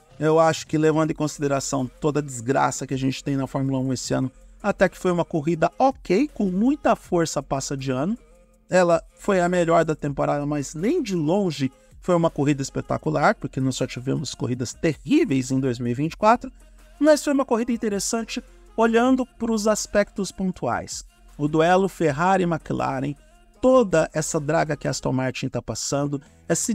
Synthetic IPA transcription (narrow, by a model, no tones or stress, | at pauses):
ewaʃʊ̥kɪlevɐ̃nd̪ʊɪ̃kõsid̪eɾasɐ̃w̃t̪od̪ɐd͡ʒɪzɡɾa̰sɐkɪaʒẽnt͡ʃɪ̥t̪ẽj̃nɐfɔɾmulɐũesɪɐ̃nʊat̪ɛkɪ̥fojũmɐkoɦid̪ɐokejkõmũj̃t̪ɐfoɾsɐpasɐd͡ʒɪɐ̃nʊ | ɛlɐfojɐmeʎɔɾd̪ɐt̪ẽmpoɾad̪ɐmɐznẽj̃d͡ʒɪlõʒɪ | fojũmɐkoɦid̪ɐɪspek̚t̪a̰kulaɾpoɾkenɔsɔt͡ʃivḛ̃mʊskoɦid̪ɐst̪ehivejzẽj̃d̪ojzmiwivĩnt͡ʃɪ̥kwat̪ɾʊ | mɐsfojũmɐkoɦid̪ɐĩnt̪eɾesɐ̃nt͡ʃɪ | oʎɐ̃nd̪ʊpɾʊzaspɛk̚t̪ʊspõnt̪ua̰js | ʊd̪uɛlʊfeɦaɾɪmakila̰ɾḛ̃j̃ | t̪od̪ɐʔɛsɐd̪ɾaɡɐkɪast̪ɐ̰̃maɾt͡ʃĩt̪apasɐ̃nd̪ʊ | ɛsɪ